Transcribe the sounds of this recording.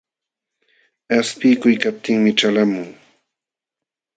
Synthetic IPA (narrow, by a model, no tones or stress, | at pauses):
aspɪkʊjkap̚t̪ɪŋmɪʈ͡ʂalamʊŋ